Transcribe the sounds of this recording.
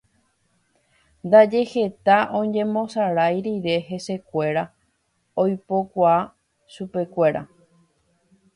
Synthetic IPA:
nd̪ad͡ʒe̞he̞t̪aʔõ̞ɲd͡ʒẽ̞mõ̞saɾajɾiɾe̞ɦe̞se̞kʷe̞ɾa | ojpo̞kʷaa | ʃupe̞kʷe̞ɾa̰

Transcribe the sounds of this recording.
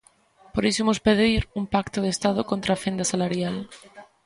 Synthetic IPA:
poɾisomospeðiɾumpakt̪oð̞est̪aðokont̪ɾafend̪asalaɾjal

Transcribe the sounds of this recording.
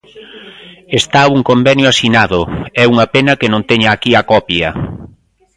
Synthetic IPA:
est̪auŋkombɛnjʊasinaðʊɛuŋɐpenɐkenõnt̪ɛɲaːkiakɔpjɐ

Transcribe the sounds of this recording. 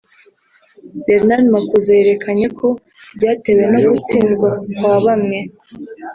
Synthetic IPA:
beɾnalmakuzaeɾe̞kʰaɲekʰo̞ | bɟaːtewe̞noɡut͡siːnɡwakwaβamɲe̞

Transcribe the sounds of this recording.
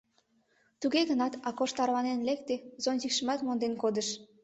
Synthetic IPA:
t̪uɣeɣənɑt̪ɑkoʃt̪ɑɾlɑnenlek̚t̪ezonzikʃə̆mɑt̪mond̪enkod̪əʃ

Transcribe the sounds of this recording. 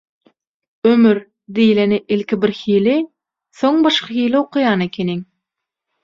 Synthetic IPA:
ømyɾ | d̪ejleniʔilʲkʲibiɾhiːli | θoŋbɑʃqɑxiːlioqʰujɑːnekʲʰeniŋ

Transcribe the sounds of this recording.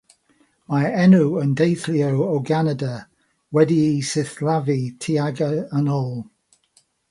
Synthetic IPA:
maɛnuəndejθliəwowɡanədə | wɛdiisɪθlavitʰiaɡəənɔːlˠ

